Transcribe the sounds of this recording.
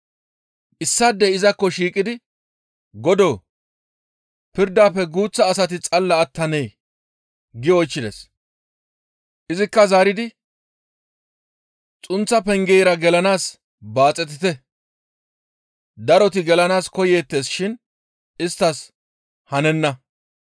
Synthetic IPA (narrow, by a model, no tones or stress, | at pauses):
ʔɪsːad̪ːɛɪzɐkːɔʃiːkʼɪd̪ɪ | ɡɔd̪oː | pɪɾd̪aːpːɛɡuːt͡sːɐːsɐt̪ɪt͡sʼɐlːɐːt̪ːɐnɛj | ɡɪɔjt͡ʃːɪd̪ɛ̰s | ʔɪzɪkːɐzaːɾɪd̪ɪ | t͡sʼʊnt͡sːɐpɛŋɡɛjɾɐɡɛlɐnaːs | baːt͡sʼːɛt̪̬ːɪt̪ɛ | d̪ɐɾɔt̪ɪɡɛlɐnaːskɔje̞ːt̪ːe̞ːsʃɪn | ɪst̪ːɐs | hɐnɛnːɐ